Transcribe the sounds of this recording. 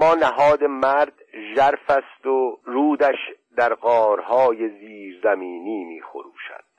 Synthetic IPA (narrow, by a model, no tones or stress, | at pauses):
mɒːnæɦɒːd̪e̞mæɾd̪ʒæɾfæst̪oruːd̪æʃd̪æɾɢɒːɾhɒːjeziːɾzæmiːniːmiːxo̞̰ɾuːʃæ̰d̪̥